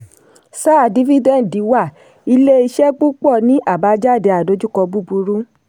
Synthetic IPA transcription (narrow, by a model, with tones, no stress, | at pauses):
sa˦˨di˨˦vi˦dɛ˦˨di˨˦wa˦˨ | i˧le˦i˧ʃɛ˦k͡pu˦k͡pɔ˦˨nĩ˨˦ʔa˦˨ba˨˦d͡ʒa˦˨de˨˧˦a˨do˨˦d͡ʒu˦kɔ˧bu˦bu˧ɾu˦